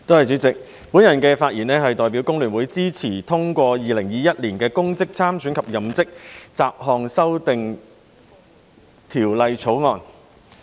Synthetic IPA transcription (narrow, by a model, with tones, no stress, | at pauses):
t̪o˥whɐ˨jt͡sy˨˥t͡sɪ˨˩k̚ | pu˨˥njɐ˨˩nkɛː˧faː˧t̚jiː˨˩nɛː˥ɦɐ˨jt̪ɔː˨jp̬iː˨˥wkʊ˥ŋlyː˨˩nwuː˨˥jt͡siː˥t͡sʰiː˨˩t̪ʰʊ˥ŋkʷɔː˧jiː˨lɪ˨˩ŋjiː˨jɐ˥t̚liː˨˩nkɛː˧kʊ˥ŋt͡sɪ˥k̚t͡sʰaː˥msyː˨˥nkʰɐ˨p̚jɐ˨˩mt͡sɪ˥k̚t͡saː˨p̚ɦɔː˨˧ŋsɐ˥wt̪ɪ˨ŋ | t̪ʰiː˨˩wlɐ˨jt͡sʰo˨˥wŋɔː˨n